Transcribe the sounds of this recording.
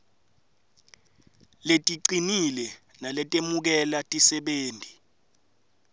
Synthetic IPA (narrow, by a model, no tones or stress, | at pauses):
letʼiǀinilɛ | nalɛtʼemuk̬ɛlatʼisɛɓeːndʱi